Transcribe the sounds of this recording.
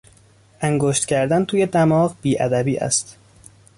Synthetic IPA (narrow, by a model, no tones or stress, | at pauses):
ʔæŋɡoːʃt̪cʰæɾd̪ænt̪ʰuːje̞d̪æmɒːɣb̥iːʔæd̪æbiːʔæ̰st̪